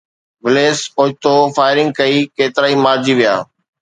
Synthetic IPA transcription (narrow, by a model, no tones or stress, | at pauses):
ʋɪleːsoːt̪ofaːɪɾɪ̃ŋɡ̚kɐiːkeːt̪ɪɾaːimaːɾd͡ʑiʋija̰ː